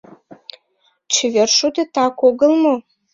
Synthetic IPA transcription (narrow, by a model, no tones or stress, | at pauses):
t͡ɕeverʃud̪et̪ɑkoɣəlmo